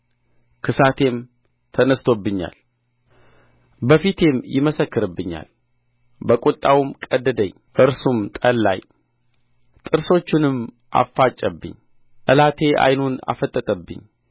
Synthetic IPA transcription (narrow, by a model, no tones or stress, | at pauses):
kʰɨsat̪ʰe̞m | t̪ʰənəst̪ʰo̞bːɨɲːa̰l | bəfit̪ʰe̞mjɪməsəkːɨɾɨbːɨɲːa̰l | bəkʼut̪ʼːawmkʼəd̪ːəd̪əɲː | ʔɨɾsumt̪ʼəlːa̰j | t̪ʼɨɾso̞t͡ʃːɪnɨm | ʔa̰fːat͡ʃʼːəbːɨ̰ɲ | ʔəlat̪ʰe̞ʔa̰jnuna̰fət̪ʼːət̪ʼəbːɨ̰ɲː